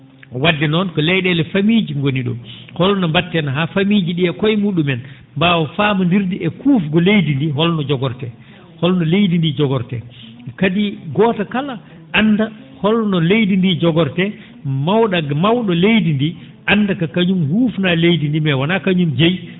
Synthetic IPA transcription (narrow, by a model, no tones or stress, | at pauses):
wadːɛnɔnkɔlɛjɗɛlɛfamid͡ʒiŋɡoniɗɔ̰hɔlnɔmbatːɛnaɦafamid͡ʒiɗiɛkɔjmuɗumɛn | mbawafamandiɾdiɛkufɡɔlejdindiɦɔlnɔd͡ʒɔɡɔɾtɛ | hɔlnɔlejdindid͡ʒɔɡɔɾtɛ̰ | kadiɡɔtakala | ʔanːda | hɔlnɔlejdindid͡ʒɔɡɔɾtɛ | mawɗamawɗɔlejdindi | ʔandakakaɲumhuːfnalejdindimɛwanakaɲumd͡ʒej